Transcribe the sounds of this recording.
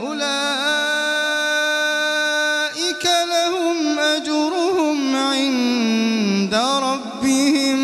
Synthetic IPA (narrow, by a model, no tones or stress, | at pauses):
ʔʊlaː | ʔɪkalahʊmʔad͡ʒʊɾˤʊhʊmʕɪn | d̪aɾˤɑbːɪhɪm